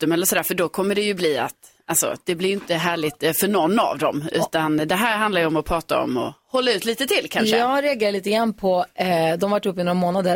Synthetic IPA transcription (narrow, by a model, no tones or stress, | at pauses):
t̪ɵmɛlːəɾʂsɔd̪æːɾfœɖɔkʰɔmːəɖɛjɵbliːa̰t̪ | ʔalsɔ̰d̪̥ɛblɪɾjʏnt̪əɦæːɭɪt̪fœɳɔnːa̰vd̪ɔ̰mʉ̟̰ːt̪and̪ɛɦæːɾɦand̪aɾjəɔmɔpʰɾɑːt̪a̰ɔ̰mːɔ̰hɔlːaʉ̟ːt̪liːt̪ət̪ʰɪlkʰanʂəɑːɡɾɛaɡeːɾaɭiːt̪əɡɾanpʰɔd̪ɔmvaʈːɵpːɪnoːɾamoːnad̪ə